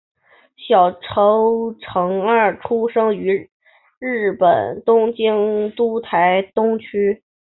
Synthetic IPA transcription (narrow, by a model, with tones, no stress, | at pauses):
ɕjɑ˨˩ʊʈ͡ʂʰo˧˥ʊʈ͡ʂʰɤ˧˥ŋɐ˞˥˧˩ʈ͡ʂʰu˥ʂɤ˥ŋy˧˥ | ɻɻ̩˥˩pə˨˩nt̪ʊ˥ŋt͡ɕi˥ŋt̪u˥t̪ʰa˧˥ɪt̪ʊ˥ŋt͡ɕʰy˥